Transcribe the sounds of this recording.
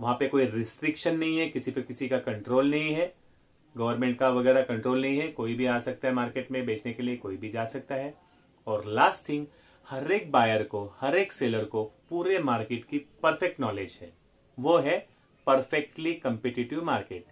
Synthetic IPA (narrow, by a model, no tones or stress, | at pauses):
ʋɐɦãpekoːiɾɪsʈɾɪkʃənːɐɦĩɦɛkɪsipekɪsikakɐ̃ɳʈɾoːlnɐɦĩɦɛ | ɡɐʋəɾmẽɳʈ̚kaʋɐɣɛːɾakɐ̃ɳʈɾoːlnɐɦĩɦɛkoːibʱiaːsɐk̚t̪aɦɛmaːɾkeːʈmẽbeːt͡ʃʰnekeliekoːibʱid͡ʒaːsɐk̚t̪aɦɛ | ɔːɾlaːsʈt̪ʰɪ̃ŋɡ | hɐɾeːk̚baːjəɾkohɐɾeːkseːləɾkopuːɾemaːɾkeːʈkipɐɾfɛk̚ʈnɔːleːd͡ʒɦɛ̰ː | ʋoɦɛ | pɐɾfɛk̚ʈlikɐ̃mpɛːʈɪʈɪʋmaːɾkeːʈ